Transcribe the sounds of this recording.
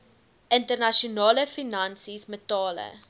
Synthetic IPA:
ʔəntərnɐʃiunɑːləfinɐnsismətɑːlə̰

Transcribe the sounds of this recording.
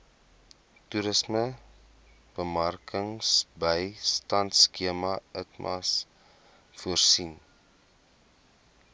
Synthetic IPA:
tuɾəsmə | b̥əmɐrkəŋsbəjstɐntskiəmɐətmʔɐ̰s | fuərsin

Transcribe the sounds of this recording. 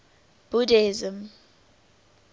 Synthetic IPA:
b̥udezəm

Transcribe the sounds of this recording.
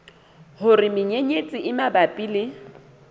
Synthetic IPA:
hʊrɪmɪɲeɲet͡sʼɪʔɪmabapʼilɪ

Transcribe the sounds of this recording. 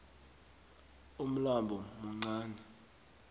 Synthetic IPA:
um̩lambʱɔmuŋ͡ǀaːnɛ

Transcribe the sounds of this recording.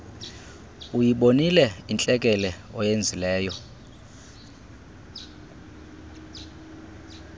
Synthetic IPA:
ujiɓonilɛint͡ɬʼɛk̬ʼɛlɛɔjend͡zʱilɛːjɔ

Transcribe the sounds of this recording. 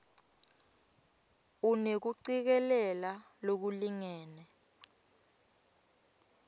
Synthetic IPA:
unek̬uǀik̬ɛlɛlalok̬uliŋɛːnɛ

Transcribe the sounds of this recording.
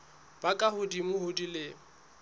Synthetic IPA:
b̥akʼahʊdimʊhʊdilɪ

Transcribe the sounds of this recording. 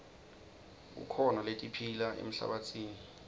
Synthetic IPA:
k̬ṵkʰɔnaletʼipʰilaʔḛm̩ɬa̰ɓat͡sʰiːni

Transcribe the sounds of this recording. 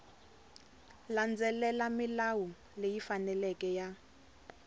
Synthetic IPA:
land͡zɛlɛlamilawu | lejifanɛlɛkʼɛja

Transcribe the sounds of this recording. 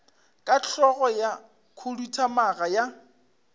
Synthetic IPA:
kʼat͡ɬʰɔɣɔja | kʰʊlutʰamaɣaja

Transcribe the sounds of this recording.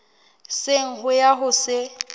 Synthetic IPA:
sɪŋ̩ɦʊjaɦʊsɪ

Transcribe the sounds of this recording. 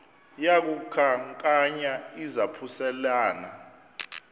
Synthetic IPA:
jak̬ukʰaŋkʼaɲaizapʰusɛlaːna

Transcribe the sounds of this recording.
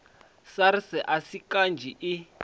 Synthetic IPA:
saɾisɛʔasikand͡ʒʱiʔi

